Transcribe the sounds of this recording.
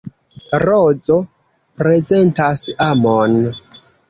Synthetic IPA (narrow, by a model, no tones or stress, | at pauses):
ɾod͡zo̞ | pɾe̞ze̞ntasamon